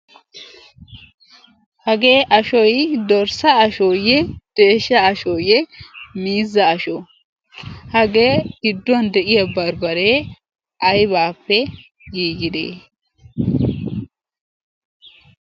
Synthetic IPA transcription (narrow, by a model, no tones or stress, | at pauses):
hɐɡe̞ːʔɐʃɔjd̪ɔɾsɐɐʃɔjɛd̪̥eːʃːɐɐʃɔjɛmiːzːɐːʃɔ | hɐɡe̞ːɡ̥ɪd̪ːʊɐnd̪ɛʔɪjɐbɐɾbɐɾeː | ɐjβaːpːɛ | ɡiːɡɪd̪ḛː